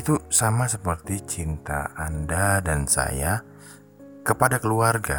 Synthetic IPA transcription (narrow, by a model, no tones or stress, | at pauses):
it̪usamasəpərt̪it͡ʃint̪a̰ːndadansa̰ja | kəpadakəluarɡa̰